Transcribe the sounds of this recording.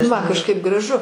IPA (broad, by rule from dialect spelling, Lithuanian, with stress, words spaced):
ˈmɐn kɐʃˈkɐɪp ɡrɐˈʒʊ